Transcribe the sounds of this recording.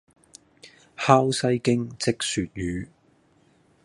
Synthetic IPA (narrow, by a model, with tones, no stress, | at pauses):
haː˥wsɐ˥jkɪ˥ŋt͡sɪ˥k̚syː˨t̚jyː˨˧